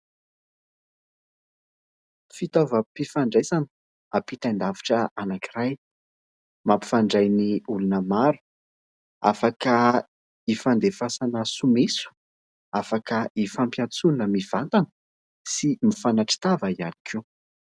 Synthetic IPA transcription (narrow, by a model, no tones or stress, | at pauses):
fit̪ovəpifaɳɖ͡ʐajzani̥ | apit̪and̪aviʈ͡ʂəanakiraj | mampi̥faɳɖ͡ʐajniulunəmaɾu̥ | a̰fakə | ifand̪efasanəsumesu̥ | afakəʔifampjant͡sunəmiv̥ant̪anə | simifanaʈ͡ʂi̥t̪avaia̰ni̥kʰi